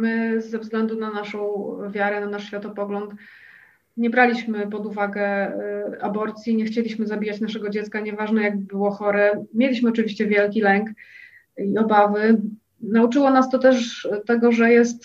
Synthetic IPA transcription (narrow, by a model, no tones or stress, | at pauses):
mɘzːɛvzɡlɛnd̪unanaʂɔ̃w̃vʲjaɾɛnanaʂɕfʲjat̪ɔpɔɡlɔnt̪ | ɲɛbɾalʲiɕmɘpɔd̪uvaɡɛ | abɔɾt̪sʲjiɲɛxt͡ɕelʲiɕmɘzabʲijat͡ɕnaʂɛɡɔd͡ʑɛt̪skaɲɛvaʐnɛjaɡ̚bbɘwɔxɔɾɛmʲjelʲiɕmɘɔt͡ʂɨvʲiɕt͡ɕɛvʲjɛlkʲilɛŋk | iɔbavɘ | naut͡ʂɘwɔnast̪ɔt̪ɛʂt̪ɛɡɔʐɛjɛs̬t̪